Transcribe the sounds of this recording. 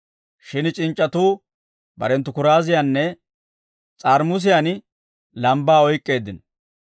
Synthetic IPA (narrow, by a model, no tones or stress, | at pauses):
ʃɪnt͡ʃʼɪnt͡ʃʼːɐt̪uː | bɐ̰ɾɛnt̪ːʊkʊɾaːzɪjaːnːɛ | t͡sʼaːɾmʊs̬ɪjaːn | lɐmbaːɔjkʼːe̞ːd̪ːɪn